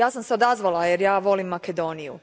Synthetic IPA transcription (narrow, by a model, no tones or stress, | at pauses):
jaːsamseo̞d̪azʋalˠajeɾjaːʋo̞limːake̞d̪o̞ːnijṵ